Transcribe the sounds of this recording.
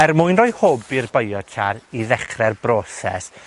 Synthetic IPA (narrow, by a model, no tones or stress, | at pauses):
ɛrmʊːjnroːɨhobɪrbəjɔtʰaɾiðɛχrɛrbroːsɛ̰s